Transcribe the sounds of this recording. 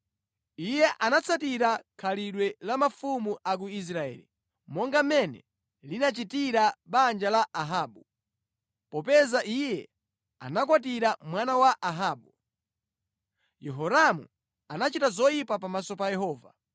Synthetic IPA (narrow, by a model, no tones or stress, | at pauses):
ijɛʔanat͡sʰatiɾakʰaliɗwɛlamafumuʔak̬uis̬ɾaɛ̰ːlḭ | mɔŋɡamɛnɛ̰ | linat͡ʃitiɾaɓand͡ʒalaʔaɦaːɓu | pɔpɛzaʔijɛ | a̰nak̬wat̬iɾamwanawaʔaɦaːɓu | jɛɦɔɾamṵ | anat͡ʃitazɔjipapamasɔpajɛɦɔːva